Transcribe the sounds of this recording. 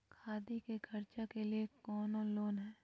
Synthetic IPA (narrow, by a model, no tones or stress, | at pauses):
kʰaːd̪ikekʰɐɾt͡ʃakeliekɔːnoloːnɦɛː